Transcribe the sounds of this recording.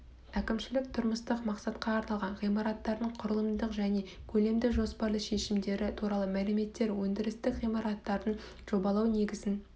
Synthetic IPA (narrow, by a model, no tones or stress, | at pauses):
ækʲɪmʃɪlɪk̚t̪ʰʊɾməst̪əqmɑqsɑt̪qɑːɾnɑlˠʁɑnʁijmɑɾɑt̪ːɑɾd̪əɴqʰʊɾəlˠəmd̪əqʒæne̞kʲʰɵle̞md̪ɪʒo̞spɑɾlˠəʃe̞ʃɪmd̪e̞ɾɪt̪ʰuɾɑlˠəmælɪme̞t̪ːe̞ɾwɵnd̪ɪɾɪst̪ɪkʁijmɑɾɑt̪ːɑɾd̪ən | ʒ̥o̞bɑlˠɑwne̞ɡʲɪzɪn